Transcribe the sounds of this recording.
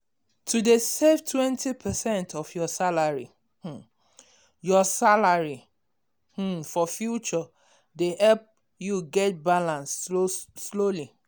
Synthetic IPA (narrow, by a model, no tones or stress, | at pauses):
tʰudeseftʰwɛ̃ntipʰɛsɛ̃ntʰɔfjɔsalaɹḭ | jɔsalaɹi | h̩fɔfjut͡ʃɔ | dehɛlp̚ | juɡɛt̚balãnstosloli